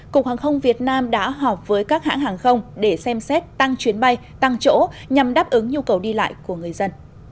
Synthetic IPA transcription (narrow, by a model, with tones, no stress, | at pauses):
ku˨˩ək̚haː˨˩ŋxə˧wŋ͡mvi˨˩ət̚naː˧mɗa̰ː˧˥ɦɔ˨˩p̚vəː˨˦jkaː˦˥k̚ha̰ː˧˥ŋɦaː˨˩ŋxə˧wŋ͡mɗe˧˩sɛ˧msɛ˦˥t̚t̪a˧ŋt͡ɕwi˨˦ənɓa˧j | t̪a˧ŋt͡ɕo̰˧˥ɲa˨˩mɗaː˦˥p̚ʔɨ˨˦ŋɲu˧kə˨˩wɗi˧la̰ː˧˨jku˧˩əŋɨ˨˩əjzə˧n